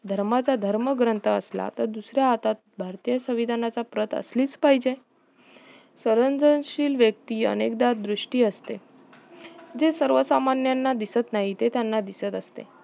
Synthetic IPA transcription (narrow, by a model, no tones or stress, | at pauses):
d̪ʱəɾmat͡sad̪ʱəɾməɡɾənt̪əə̰sla̰t̪əɾd̪usɾjaːt̪at̪̚bʱaɾt̪ijəsəʋid̪ʱanat͡sapɾət̪ə̰sliːt͡spaɦid͡ʑe | səɾənd͡zənɕiːlʋjək̚t̪iːə̰nek̚d̪at̪̚d̪ɾuʂʈiːəst̪e | d͡zesəɾʋəsamanjanːad̪isət̪naɦit̪et̪janːad̪isət̪əst̪ḛ